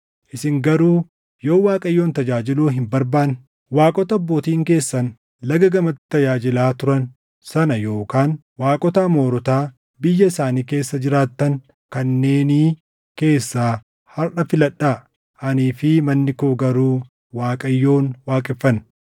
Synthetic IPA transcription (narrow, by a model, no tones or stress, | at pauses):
ʔɪsɪŋɡɐɾuː | jo̞ːwaːkʼɐjːo̞ːnt̪ɐd͡ʒaːd͡ʒɪluːɦɪmbɐɾbaːn | waːkʼɔt̪ɐbːo̞ːt̪iːŋke̞ːsːɐn | lɐɡɐɡɐmɐt̪t̪ːɐd͡ʒaːd͡ʒɪlaːt̪ʊɾɐn | sɐnɐjo̞ːkaːn | waːkʼɔt̪aːmo̞ːɾɔt̪aː | bɪjːɐɪsaːniːke̞ːsːɐd͡ʒɪɾaːt̪ːɐŋ | kɐnːe̞ːniː | ke̞ːsːaː | hɐɾʔɐfɪlɐᶑːaː | ʔɐniːfɪmɐnːɪkoːɡɐɾuː | waːkʼɐjːo̞ːnwaːkʼɪfːɐn